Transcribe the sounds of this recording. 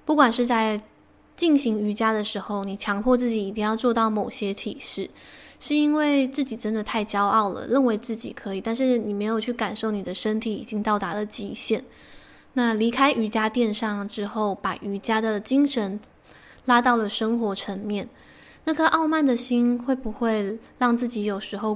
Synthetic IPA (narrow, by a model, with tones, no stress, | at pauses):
pu˥˩kwa˨˩nʂɻ̩˥˧t͡sa˥˧ɪ | t͡ɕi˥˩ŋɕi˧˥ŋy˧˥t͡ɕja˥d̪ə˨ʂɻ̩˧˥xo˥˧ʊni˨˩t͡ɕʰjɑ˧˥ŋpʰwɔ˥˧t͡sɹ̩˥˩t͡ɕi˨˧˥i˨˩t̪i˥˧ŋjɑ˥˧ʊt͡swɔ˥˧t̪ɑ˥˩ʊmo˨˩ʊɕjɛ˥t̪ʰi˨˩ʂɻ̩˥˩ʂɻ̩˥˩i˥nwe˥˧ɪt͡sɹ̩˥˩t͡ɕi˨˩ʈ͡ʂə˥nd̪ə˨t̪ʰa˥˩ɪt͡ɕjɑ˥ʊʔɑ˥˩ʊlə̰˩ɻə˥˩nwe˧˥ɪt͡sɹ̩˥˩t͡ɕḭ˨˩kʰɤ˧˥i˨˩t̪a˥˧nʂ̬ɻ̩˥˩ni˨˩me˧˥ɪjo˨˩ʊt͡ɕʰy˥˩ka˨˩nʂo˥˩ʊni˨˩d̪ə˦ʂə˥nt̪ʰi˧˥ḭ˨˩t͡ɕi˧˥ŋt̪ɑ˥˩ʊt̪a˧˥lə˨t͡ɕi˧˥ɕjɛ˥˩n | na˥˩li˧˥kʰa˥ɪʔy˧˥t͡ɕja˥t̪jɛ˥˧nʂɑ˥˩ŋʈ͡ʂɻ̩˥xo˥˩ʊpa˨˩ʔy˧˥t͡ɕja˥d̪ə˨˩t͡ɕi˥ŋʂə˧˥n | la˥t̪ɑ˥˩ʊlə˩ʂə˥ŋxwɔ˧˥ʈ͡ʂʰə˧˥ŋmjɛ˥˩n | na˥˩kʰə˥ʔɑ˥˧ʊma˥˩nd̪ə˨ɕi˥nxwe˥˩ɪpu˧˥xwe˥˧ɪɻɑ˥˧ŋt͡sɹ̩˥˩t͡ɕi˧˥jo˨˩ʊʂɻ̩˧˥xo˥˧ʊ